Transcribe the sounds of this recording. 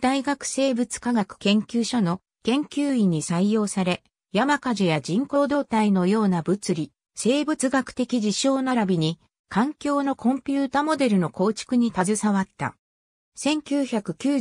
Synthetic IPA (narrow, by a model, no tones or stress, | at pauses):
d̪̥aiɡakɯ̟̥se̞ːbɯ̟t͡sɨ̥kaɡakɯ̟̥kẽ̞ŋkʲɨːɕo̞no̞ | kẽ̞ŋkʲɨːiɲ̟isaijo̞ːsaɾe̞ | jamakaʑijad͡ʑĩŋko̞ːd̪o̞ːt̪aino̞jo̞ːnabɯ̟t͡sɨɾʲi | se̞ːbɯ̟t͡sɨɡakɯ̟̥t̪e̞kʲid͡ʑiɕo̞ːnaɾabʲiɲ̟i | kãŋkʲo̞ːno̞kõ̞mpʲɨːt̪aːmo̞d̪e̞ɾɯ̟no̞ko̞ːt͡ɕi̥kɯɲ̟it̪azɨsaβat̪ːa̰ | sẽ̞ŋkʲɨːçakɯ̟kʲɨː